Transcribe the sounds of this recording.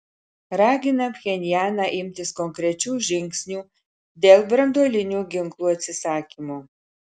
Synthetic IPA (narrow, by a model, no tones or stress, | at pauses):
rɑːɡʲɪnɐmxʲɛnʲɪjæːnɐʔɪmʲt̪ʲɪskɔŋkɾʲɛt͡ʃʲuːʒʲɪŋksʲnʲuː | d̪ʲeːlˠbɾɐnd̪olʲɪnʲuːɡʲɪŋklˠuːɐt̪ʲsʲɪsɑːkʲimu